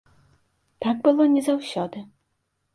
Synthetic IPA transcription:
t̪aɡ̚bɨlˠɔnʲɛzawɕʲɔd̪ɨ

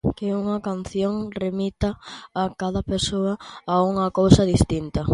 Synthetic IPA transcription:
keuŋɐkan̟θjoŋremit̪ɐːkaðɐpesoɐauŋɐkowsɐðist̪int̪ɐ

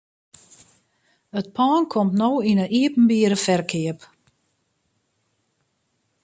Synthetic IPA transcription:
ət̚pʰaːnkʰɔmtnowinəʔiəpn̩biəɾəfɛrkʰɪəp

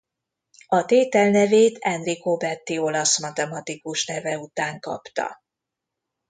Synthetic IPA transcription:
ɒt̪eːt̪ɛlnɛveːt̪ɛnrikobɛt̪ːio̞lɒsmɒt̪ɛmɒt̪ikuʃnɛvɛut̪aːŋkɒ̰pt̪ɒ̰

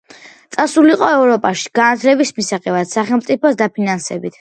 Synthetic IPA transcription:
t̪sʼasuliqʼɔɛvɾɔpʼaʃi̥ɡ̥anat̪ʰlɛbismisaqʼɛvad̪̥saχɛlˠmt̪sʼipʰɔsd̪apʰinansɛ̰bit̪ʰ

